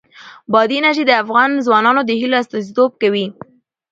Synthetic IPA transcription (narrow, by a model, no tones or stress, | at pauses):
bɑd̪inaʒid̪əafɣɑnzwɑnɑnod̪əhiloast̪ɑzit̪ob̚kawi